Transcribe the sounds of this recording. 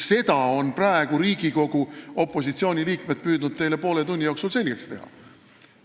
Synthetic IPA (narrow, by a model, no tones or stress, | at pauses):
se̞d̪ɑo̞npræeɡ̥uɾiːɡ̥iko̞ɡ̥uo̞pˑːo̞sit̪sio̞ːnʲiliːkme̞d̪̥̚pyːd̪̥nud̪̥̚t̪e̞jle̞po̞ːle̞t̪unʲːijoːksulse̞lʲɡ̥e̞kst̪e̞hɑ̰